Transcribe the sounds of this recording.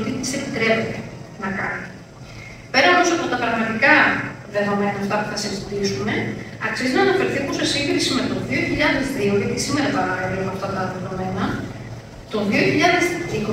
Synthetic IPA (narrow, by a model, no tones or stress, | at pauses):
t̪it̪i̥se̞pit̪ɾe̞pet̪enɐkɐni | pe̞ɾɐnosɐpo̞t̪ɐpɾɐɣmɐt̪ikɐðe̞ðo̞me̞nɐːft̪ɐpuθɐsizit̪isume̞ | ɐksiznɐːnɐfe̞ɾθipusesiŋɡɾisime̞t̪o̞ðio̞çiʎɐðe̞zðioʝet̪isime̞ɾɐpɐɾɐelooɐft̪ɐt̪ɐðe̞ðo̞me̞nɐ | t̪o̞ðio̞çiʎɐðe̞ziko